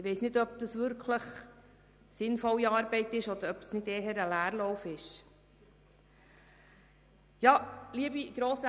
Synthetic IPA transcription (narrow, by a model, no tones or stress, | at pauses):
ɪʋɛɪsnɪdœp̚d̪̥əsʋʏɾkʰləχ | sɪnfɔliɑːɾbɛɪtɪʃɔd̪əɾœp̚snɪdeːɦəɾəlæːɾlɔwfɪʃ | jɑːliəbiɡ̥ɾoːsə